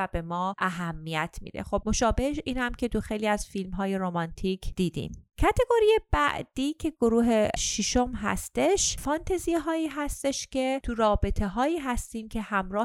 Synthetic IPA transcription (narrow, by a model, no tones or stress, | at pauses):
æbe̞mɒːʔæɦæmːijæt̪ʰmḭːd̪ḛxo̞b̚mo̞ʃɒːbe̞hʃiːnhæmcʰe̞t̪ʰuxejliːæz̥filmɦɒːje̞ɾomɒnt̪ʰicʰd̪̥iːd̪ḭmcʰæt̪ʰe̞ɡo̞ɾijeb̥æ̰ʔd̪̥iːcʰe̞ɡ̥oɾuːɦeʃiʃomɦæ̰st̪e̞ʃfɒnt̪ʰezijɦɒːiːɦæst̪e̞ʃcʰe̞t̪ʰuɾɒːbe̞t̪ʰe̞ɦɒːiːɦæst̪iːmcʰe̞hæmɾɒː